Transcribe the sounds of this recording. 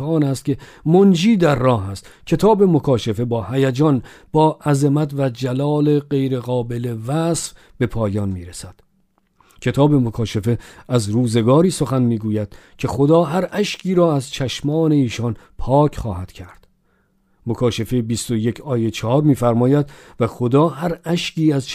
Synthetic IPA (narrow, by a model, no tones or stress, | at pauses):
ɒːnæst̪kcʰe̞ | mond͡ʒiːd̪æɾːɒːɦæst̪cʰe̞t̪ʰɒːbe̞mo̞kʰɒːʃefe̞bɒːhæjæd͡ʒɒːnbɒːʔæzemæt̪væd͡ʒælɒːle̞ɢe̞jɾe̞ɣɒːbe̞levæsf | b̥e̞pʰɒːjɒːnmiːɾesæd̪̥ | cʰe̞t̪ʰɒːbe̞mokʰɒːʃefe̞æzɾuːze̞ɡɒːɾiːso̞xænmiːɡuːjæd̪̥cʰe̞xod̪ɒːɦæɾʔæʃcʰiːɾɒːæzt͡ʃʰæʃmɒːne̞iːʃɒnpʰɒːcʰχɒːhæd̪̥cʰæɾd̪̥ | mokʰɒːʃefebist̪o̞je̞cʰɒːjet͡ʃʰɒhɒːɾmiːfæɾmɒːjæd̪væxod̪ɒːɦæɾæʃciːæz